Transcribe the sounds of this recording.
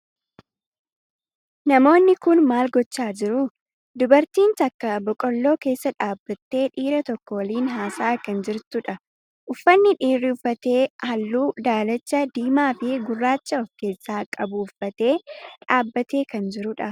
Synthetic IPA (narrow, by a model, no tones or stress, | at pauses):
nɐmo̞ːnːɪkʊnmaːlɡɔt͡ʃːaːd͡ʒɪɾʊ | d̪ʊbɐɾt̪iːnt̪ɐkːɐbɔkʼɔlːo̞ːke̞ːsːɐᶑaːbːɐt̪ːe̞ːᶑiːɾɐt̪ɔkːɔwɐliːnɦaːsaːkɐnd͡ʒɪɾt̪ʊᶑɐ | ʔʊfːɐnːɪᶑiːrːɪʊfːɐt̪e̞ːhɐlːuːd̪aːlɐt͡ʃːɐd̪iːmaːfɪɡʊrːaːt͡ʃːɐɔfke̞ːsːaːkʼɐbʊʊfːɐt̪e̞ːᶑaːbːɐt̪e̞ːkɐnd͡ʒɪɾʊᶑɐ